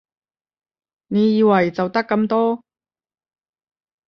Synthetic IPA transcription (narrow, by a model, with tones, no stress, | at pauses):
ne˨˧jiː˨˧wɐ˨˩jt͡sɐ˨˩wt̪ɐ˥kːɐ˧mt̪ɔː˥